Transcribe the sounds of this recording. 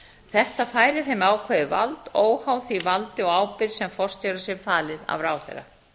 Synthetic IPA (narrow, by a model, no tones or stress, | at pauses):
θɛht̪afaːjɾɪθejmaːwkʰvɛðɪva̰lt̪oːwhaːwθivalt̪ɪɔɣaːwpɪɾ̥sɛmfɔr̥st̪jœwɾasɛɾfaːlɪða̰vɾaːwθɛ̰ɾa̰